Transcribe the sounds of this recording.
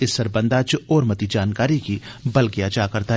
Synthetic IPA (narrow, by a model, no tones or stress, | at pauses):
ɪsːɐɾbɐ̃nd̪aːt͡ʃɔːɾmɐt̪id͡ʒaːnkaːɾikibɐlkiat͡ʃakɐɾt̪aɦ